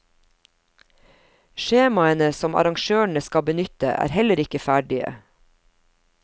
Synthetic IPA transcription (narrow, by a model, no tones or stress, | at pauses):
ʃeːmɑənəsɔmɑ̰ɾɑŋʃøːɳ̩əskɑbənʏt̪ə̰ʔæ̰ːɾhɛləɾɪkəfæːɖɪə̰